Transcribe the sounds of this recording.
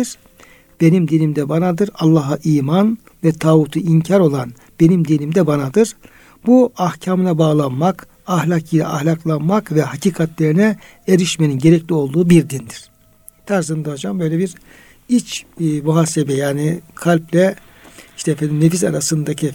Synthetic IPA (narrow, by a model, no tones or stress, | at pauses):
iɾ̥ | b̥e̞nimd̪inʲimd̪ɛbanad̪ɯɾalˠːaɦaʔiːman | vɛt̪ʰaːvut̪ʰuiɲcʰaɾo̞lˠan | b̥e̞nimd̪inʲimd̪ɛbanad̪ɯɾ̥ | b̥uahcʰamɯnabaːɣlˠanmak | ahlʲakilʲɛ̰ʔahlʲaklˠanmakvɛɦacʰiːkʰat̪lʲeɾinɛ | eɾiʃmeninɟe̞ɾɛclʲio̞lˠd̪uːbiɾd̪ind̪iɾ̥ | t̪ʰæɾsɯnd̪aɦod͡ʒambø̞jlʲebiɾ | it͡ʃːmuɦaːsebɛjaːnikʰalʲplʲɛ | iʃt̪ɛfɛnimnefis̬aɾasɯnd̪acʰi